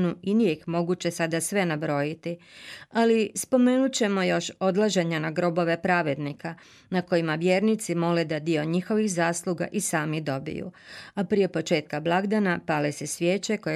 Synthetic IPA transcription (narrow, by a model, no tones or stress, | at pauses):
nuinije̞jixmo̞ɡut͡ɕe̞sad̪asʋe̞nabɾo̞jit̪ialispo̞me̞nut͡ɕe̞mo̞jo̞ʃo̞d̪lˠaʒe̞ɲanaɡɾo̞bo̞ʋe̞pɾaʋe̞d̪nika | nako̞jimaʋjeːɾnit̪simo̞led̪ad̪io̞ɲixo̞ʋixzaːslˠuɡa̰ʔisaːmid̪o̞bḭjṵapɾije̞po̞t͡ʃe̞ːt̪̚kablˠaɡd̪anapalese̞sʋjeːt͡ɕeko̞e